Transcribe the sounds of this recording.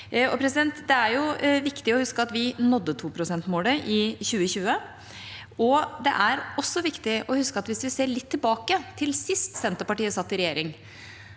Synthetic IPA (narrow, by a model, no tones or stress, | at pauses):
ɔpʰɾɛs̬ɪd̪ɛnt̪d̪ɛæɾjʊʋɪkt̪ɪɔhʉskəɑt̪ʋɪnɔd̪ːət̪ʰuːpʰɾʊsɛnt̪moːləʔɪçʉːəɕʉːə | ɔd̪ɛ̰ʔæɾɔsːɔʋɪkt̪ɪʔɔhʉskəɑt̪ʋɪsʋɪseːɭɪt̪ʰːɪlbɑːkət̪ʰɪlsɪst̪sɛnt̪əpɑʈiːəsɑt̪ːɪɾɛjeːɾɪŋ